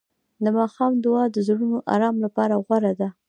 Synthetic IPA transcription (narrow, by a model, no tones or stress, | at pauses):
d̪əmɑxɑmd̪ʊɑd̪əzɽunoʔa̰ɾɑmlapɑɾaɣwaɾad̪a